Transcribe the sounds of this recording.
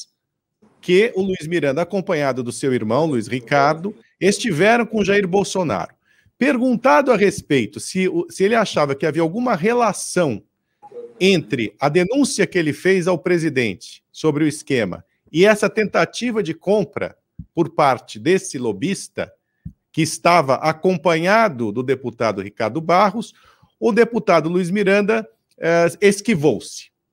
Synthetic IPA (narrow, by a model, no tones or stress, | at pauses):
kɪʊluizmiɾɐ̃nd̪ɐaːkõmpɐ̃ɲad̪ʊd̪ʊsewiɾmɐ̃w̃luishikaɾd̪ʊ | est͡ʃivɛɾɐ̃w̃kõʒaiɾbowsona̰ɾʊ | peɾɡũnt̪ad̪ʊɐʁespejt̪ʊsɪsɪelɪaʃavɐkɪaviɐawɡũmɐɦelasɐ̃w̃ | ẽnt̪ɾɪɐd̪enũsiɐkɪelɪfejzawpɾezid̪ḛ̃nt͡ʃɪ̥sobɾɪʊɪskẽmɐ̰ | ɪɛsɐt̪ẽnt̪at͡ʃivɐd͡ʒɪkõmpɾɐ̰ | poɾpaɾt͡ʃɪd̪esɪlobist̪ɐ̰ | kɪːst̪avɐ̰ʔakõpɐ̃ɲad̪ʊd̪ʊd̪eput̪ad̪ʊhikaɾd̪ʊbaɦʊs | ʊd̪eput̪ad̪ʊluizmiɾɐ̃nd̪ɐ | ɛeskivowsɪ̥